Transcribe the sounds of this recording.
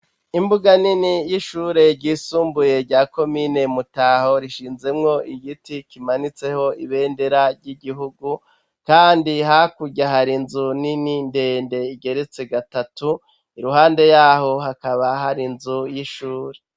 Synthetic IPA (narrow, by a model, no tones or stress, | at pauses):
imbuɡaninijiʃuːɾe̞ɾɟiːsuːmbuje̞ɾɟaːko̞mine̞mutaho̞ɾiʃiːnze̞mŋo̞iɡitikimanit͡se̞ho̞iβe̞ːnde̞ɾaɾɟiɟiɦuɡu | kaːndiɦakuɟaɦaɾinzunininde̞ːnde̞iɟe̞ɾe̞t͡se̞ɡatatu | iɾuɦaːnde̞jaːɦo̞ɦakaβaɦaɾinzujiʃuːɾe̞